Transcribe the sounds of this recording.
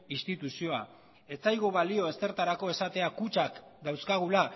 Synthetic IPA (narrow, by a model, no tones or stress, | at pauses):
ist̪it̪usio̞a | e̞t͡sajɣoβalio̞e̞st̪e̞ɾt̪aɾako̞e̞sat̪e̞akut͡ʃakd̪awskaɣ̞ula